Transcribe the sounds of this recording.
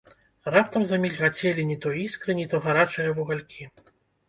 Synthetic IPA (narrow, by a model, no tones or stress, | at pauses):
rap̚t̪ɐmzamʲilʲɣat͡sʲɛlʲinʲit̪ɔjiskɾɨnʲit̪ɔɣaɾat͡ʂɨjɐvuɣalʲkʲʰi